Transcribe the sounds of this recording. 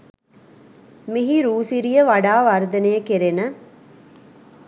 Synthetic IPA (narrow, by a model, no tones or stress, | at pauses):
miɦiɾuːsiɾijəʋaɖaːʋɐɾd̪ɐnejəkeɾenə